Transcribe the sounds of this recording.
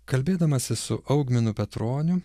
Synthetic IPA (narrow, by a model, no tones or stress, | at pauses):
kɐlʲbʲeːd̪ɐmɐsʲɪsʊ̰ʔɐʊɡmʲɪnʊpʲɛt̪ɾoːnʲʊ